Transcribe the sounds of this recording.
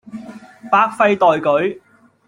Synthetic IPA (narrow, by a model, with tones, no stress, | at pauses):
paː˧˥k̚fɐ˧jt̪ɔː˨jkɵ˨˥ɥ